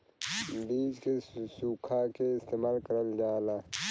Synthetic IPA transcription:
biːd͡ʒkesuːkʰakeɪst̪eːmaːlkəɾəld͡ʒaːlaː

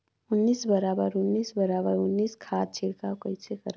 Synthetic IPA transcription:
ʊnːiːsbəɾaːbəɾʊnːiːsbəɾaːbəɾʊnːiːskʰaːt̪̚t͡ʃʰɪɽkaokəjt͡ʃʰekəɾ

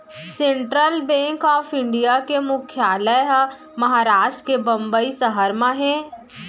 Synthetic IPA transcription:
sẽɳʈɾəlbɛ̃ːŋkɔːfʰɪ̃ɳɖijakemʊkʰjaːləj | mɐɦaːɾaːʃʈɾkebɐ̃mbəisəɦəɾmãɦɛ̃ː

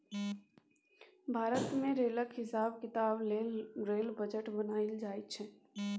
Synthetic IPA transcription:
bʱaːɾət̪mẽɾeːləkɦɪsaːb̚kɪt̪aːbleɾeːlbəd͡ʒəʈbənaːɪld͡ʒaːit͡ʃʰɛ

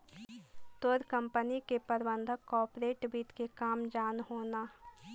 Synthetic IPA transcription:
t̪oːɾkɐ̃mpənikepɐɾbə̃nd̪ʱəkɔːɾpɾeːʈbiːt̪kekaːmd͡ʒaːnɦoːnaː

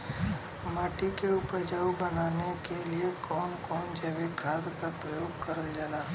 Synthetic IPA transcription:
maːʈikeuːpəɾd͡ʒaːubənaːnekeliekɔːnkɔːnd͡ʒəʋikɡʱaːd̪kapɾəjoːɡ̚kɐɾəld͡ʒaːlaː

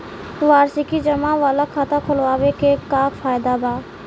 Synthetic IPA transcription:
ʋaːɾsikid͡ʒɐmaʋaːlakʰat̪akʰʊlʋaːwekekaːkfaːjd̪abaː

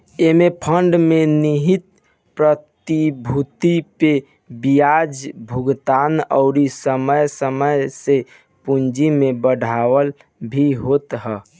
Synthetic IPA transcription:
emepʰəɳɖmeniɦit̪̚ | pɾət̪ibʱut̪ipe | bijad͡ʒbʱuɡt̪anə̰ʊɾisəməjsəməjse | pund͡ʒimebəɖʱawəl | bʱiɦot̪ɦə

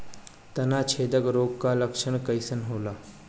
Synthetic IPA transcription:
t̪ɐnat͡ɕʰed̪əkɾoɡkaləkʂəɳ̃kəjsənɦoːla

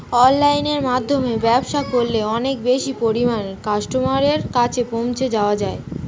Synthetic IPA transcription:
ɔnlajneɾmad̪ʱːomebɛbʃakoɾːeɔnekbeʃipoɾimankaʃʈomaɾeɾkat͡ɕʰepomt͡ɕʰed͡ʑaoad͡ʑae

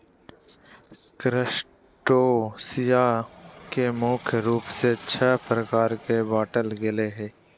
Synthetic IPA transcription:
kɾɪʃ | ʈoːsɪjakemoːkʰjɾuːpset͡ʃʰɛːpɾəkaːɾkebaːʈəlɡɪleɦɛː

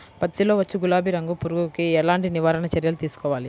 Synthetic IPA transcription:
pɐt̪ːilo̞ːʋɐt͡ʃːuɡulaːbʱiɾɐŋɡupuɾuɡukiɛɭaːɳʈiniʋaːɾɐnɐt͡ʃɐɾjɐlut̪iːsu̥kɔːʋaːli

